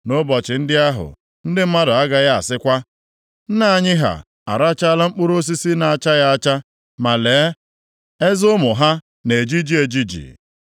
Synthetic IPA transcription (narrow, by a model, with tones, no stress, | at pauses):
no˦bɔ˨t͡ʃɪ˨n̩˦dɪ˦a˦ɦʊ̰˨ | n̩˦dɪ˦m̩˦ma˦dʊ˨a˦ɡa˦ɣa˦a˨sɪ˦kʷa˦ | n̩˦na˦˨ɲɪ˦ɦa̰˨ | a̰˨ɾa˦t͡ʃa˦a˦la˦ŋ͡m̩˦k͡pʊ˦ɾo˦s̬i˦si˦na˨a˦˨t͡ʃa˦ja˦a˦t͡ʃa˦ | ma˨leː˨˦ | e˦zʊ˦mʊ˨ɦa˦ | ne˨d͡ʒi˦d͡ʒi˦e˨d͡ʒi˦d͡ʒḭ˨